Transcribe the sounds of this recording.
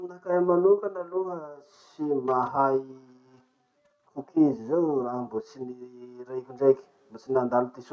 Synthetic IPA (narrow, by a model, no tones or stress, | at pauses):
nakajmanukanaluəsimaɦaj | kukizizewraɦmbut͡siniɾaikʲuɳɖ͡ʐejki̥ | mut͡sinand̪alut̪isu